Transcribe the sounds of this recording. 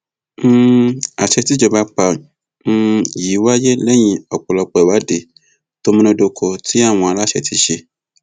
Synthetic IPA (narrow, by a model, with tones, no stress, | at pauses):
a˨ʃɛ˧ti˨˦d͡ʒɔ˧ba˧k͡pã˧˨˧ | jiː˨˦wa˦je˦lɛ˦j̃ĩ˧ɔ˨k͡pɔ˨lɔ˧k͡pɔ˨ɛ˨wa˨˦de˨˧˨ | to˦mĩ˦nõ˧˦do˧kʰɔ˧ti˨˦a˦˨w̃ɔ̃˧a˧la˦ʃɛ˧˦ti˨˦ʃe˧